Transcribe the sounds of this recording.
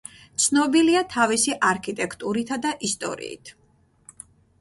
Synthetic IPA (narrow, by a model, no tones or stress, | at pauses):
t̪sʰnɔbiliat̪ʰavisiʔaɾkʰit̪ʼɛkʰʼt̪ʼuɾit̪ʰad̪aʔist̪ʼɔ̰ɾḭḭt̪ʰ